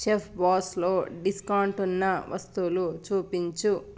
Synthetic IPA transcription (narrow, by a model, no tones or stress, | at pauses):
ʃepʰbaːslo̞ːɖiskɐwɳʈunːɐʋɐ̰st̪ulut͡ʃuːpiɲt͡ʃu